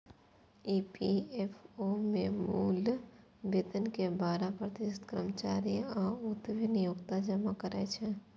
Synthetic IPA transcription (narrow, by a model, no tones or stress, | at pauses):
iːpiefomẽmuːl | bet̪ənkebaːɾapɾət̪ɪsət̪kɾəmt͡ʃaːɾijɔːʊt̪ʋʱinɪjʊːɡt̪ad͡ʒəmakəɾɛt͡ʃʰɛ